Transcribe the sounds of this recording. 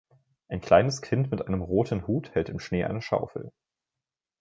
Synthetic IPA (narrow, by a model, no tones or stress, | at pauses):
ʔaɪnkʰl̥aɪnəskʰɪntmɪtʔaɪnəmʁoːtʰn̩huːthɛltɪmʃneːʔa̰ɪnəʃa̰ʊfl̩